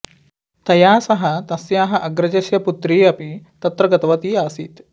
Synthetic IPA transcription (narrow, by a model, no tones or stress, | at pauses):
t̪ɐjaːsɐɦɐt̪ɐsjaːɦɐʔɐɡɾɐd͡ʒɐsjɐput̪ɾiːɐpit̪ɐt̪ɾɐɡɐt̪ɐʋɐt̪iːaːsit̪